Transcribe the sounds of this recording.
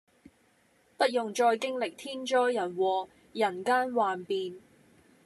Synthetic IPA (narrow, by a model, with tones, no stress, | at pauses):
pɐ˥t̚jʊ˨ŋt͡ʃɔː˧jkɪ˥ŋlɪ˨k̚t̪ʰiː˥nt͡ʃɔː˥jjɐ˨˩nwɔː˨˩ | jɐ˨˩nkaː˥nwaː˨npiː˨n